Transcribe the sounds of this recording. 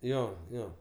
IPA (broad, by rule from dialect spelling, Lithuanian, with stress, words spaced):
ˈjoː ˈjoː